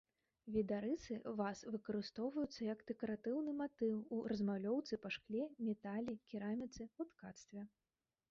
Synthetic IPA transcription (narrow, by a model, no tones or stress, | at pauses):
vʲid̪aɾɨsɨvasvɨkɐɾɨst̪ɔwvɐjut̪sːɐjɐkd̪̥ɛkɐɾat̪ɨwnɨmat̪ɨwuɾʔɐzmawlʲɔwt̪sɨpɐʂklʲɛmʲɛt̪alʲikʲiɾamʲit̪sɨut̪kat̪st̪vʲɛ